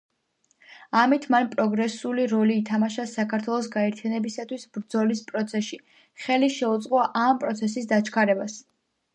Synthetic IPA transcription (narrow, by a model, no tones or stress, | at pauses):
amit̪ʰmanpʼɾɔɡɾɛsuliɾɔliːt̪ʰamaʃasakʰaɾt̪ʰwɛlˠɔs̬ɡaɛɾt̪ʰjanɛbisat̪ʰwisbɾd̪zɔlispʼɾɔt̪sʰɛʃi | χɛliʃɛut̪sʼqʼɔaʔampʼɾɔt̪sʰɛsisd̪at͡ʃʰkʰaɾɛbas